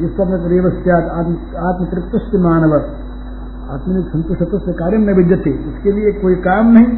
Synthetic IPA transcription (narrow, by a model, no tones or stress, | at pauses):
d͡ʒɪstɐɐpnɐkɐɾeːʋɐst̪jaːt̪aːt̪m | aːt̪mɐk̪ɾɪkt̪ːɐst̪imaːnɐʋɐ | a̰ːt̪mɐniksɐ̃nt̪ʊʃʈɐt̪ɐst̪ekaːɾjɐmnɐbɪd̪jɐt̪eʊskelieeːkːoːikaːmnɐɦĩ